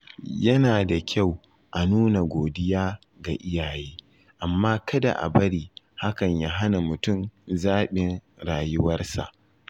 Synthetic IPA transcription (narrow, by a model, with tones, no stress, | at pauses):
jɐ˦naː˨da˨kʲʰa˦˨w | ʔa˨nuː˦na˨ɡʷoː˨dɪ˦jaː˦ | ɡa˨ʔɪ˦jaː˨jeː˦ | ʔa˨mːaː˦kɐ˦da̰˨ʔa̰˨bɐ˦ɽiː˨ | ha˦kɐ˨ɲja˦ɦa˦na˨mʊ˨tʊ˦mzaː˦ɓɪ˨nɽaː˨jʊ˦wɐ˦rsa̰˨ʔ